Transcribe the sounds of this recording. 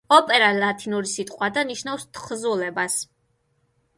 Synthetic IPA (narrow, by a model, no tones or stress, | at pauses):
ɔpʼɛɾalat̪ʰinuɾisit̪ʼqʼwad̪aniʃnafst̪ʰχzulɛbas